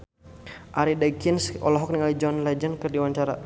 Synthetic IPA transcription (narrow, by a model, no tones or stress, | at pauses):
ʔaɾidakinsɔ̰lɔɦɔk̚niŋalid͡ʒɔnlɛd͡ʒənkɨrdiwaɲt͡ʃaɾa